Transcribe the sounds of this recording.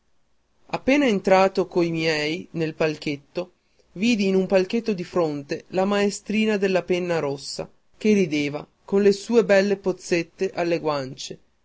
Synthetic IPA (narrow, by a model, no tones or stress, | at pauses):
apːeːnaent̪ɾaːt̪okoimjɛjnelpalk̟et̪ːo | viːd̪iːnumpalket̪ːod̪ifɾont̪elamaest̪ɾiːnad̪elːapenːaɾosːa̰ | kerid̪eːva̰ | konlesuːebɛlːepot̪sːet̪ːeʔalːeɡwant͡ʃe